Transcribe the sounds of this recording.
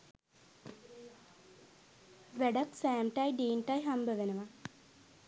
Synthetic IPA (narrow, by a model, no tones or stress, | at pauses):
ʋeɖɐksæːmʈajɖiːnʈajɦambəʋenəʋa